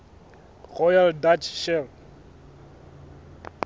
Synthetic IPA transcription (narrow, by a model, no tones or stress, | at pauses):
rɔjaldat͡ʃʰʃɛl